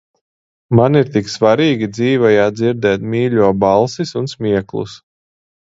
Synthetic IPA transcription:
maniɾt̪iksvaɾiːɡʲid̪ziːvɔjaːd̪ziɾd̪ɛːt̪mʲiːʎʲuɔbalˠsisunsmʲiɛklˠṵs

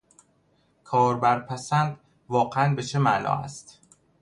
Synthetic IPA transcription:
kʰɒːɾbæɾpʰæsænd̪ | vɒːɢeænbe̞t͡ʃʰemæʔnɒ̰ːæ̰st̪

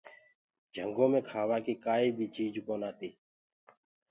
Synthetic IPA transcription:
d͡ʒʱə̰ŋɡõːmẽːkʰaːʋaːkiːkaːiːbʱiːt͡ʃiːd͡ʒkoːnaːt̪iː

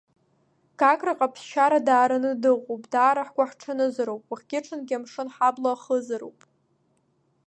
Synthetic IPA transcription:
kʰakʼraqʼapʰsʃaɾadaːɾɨnɨdɨʁʷowpʼdaːɾaħɡʷaħʈ͡ʂʰanɨzɨɾowpʼwaχʲɡʲɪʈ͡ʂʰɨnɡʲɪamʂɨnħablaχəzɨɾo̰wpʼ

